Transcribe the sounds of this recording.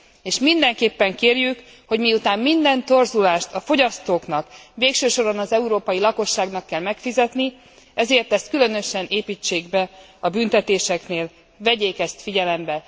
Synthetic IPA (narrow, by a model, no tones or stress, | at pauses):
eːʃmind̪ɛŋkeːpːɛŋkeːrjyk | ho̞ɟmijut̪aːmːind̪ɛnt̪o̞rzulaːʃt̪ɒfo̞ɟɒst̪oːknɒkveːkʃøːʃo̞ɾonɒzɛuɾoːpɒjilɒko̞ʃːaːɡnɒkːɛlmɛkfizɛt̪ni | ɛzeːrt̪ɛst̪̚kylø̞nø̞ʃɛnʔeːpiːt͡ʃːeːɡbɛ | ɒbynt̪ɛt̪eːʃɛkneːl | vɛɟeːkɛst̪fiɟɛlɛmbɛ